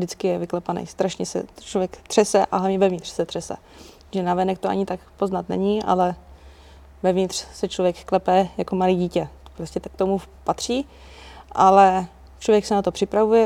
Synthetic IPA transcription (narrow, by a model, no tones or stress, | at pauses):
dɪt͡skɪjɛvɪklɛpanɛ̰jst̪ɾaʃɲɛsɛ̰t͡ʃlovjɛkt̪r̥ɛsɛʔa̰ɦlavɲɛvɛvɲɪt̪r̥sɛt̪r̥ɛsɛ̰ | ʒɛnavɛnɛkt̪oʔa̰ɲɪt̪akpo̞znat̪nɛ̰ɲiʔa̰lɛ | vɛvɲɪt̪r̥sɛt͡ʃlovjɛkːlɛpɛːjakomaliːɟiːcɛpɾoscɛt̪kt̪omupat̪r̝̥iː | ʔalɛ | t͡ʃlovjɛksɛnat̪o̞pr̥ɪpɾavujɛ